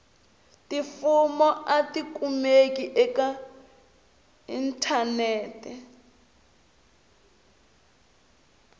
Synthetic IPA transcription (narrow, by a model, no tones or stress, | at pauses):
tifumɔʔatikumekiʔɛka | intʰanɛːtɛ